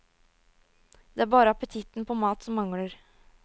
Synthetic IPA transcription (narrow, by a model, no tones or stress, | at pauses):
d̪̥ɛæɾbɑːɾəɑpət̪ʰɪt̪npʰoːmɑːt̪sɔmːɑŋɽəɾ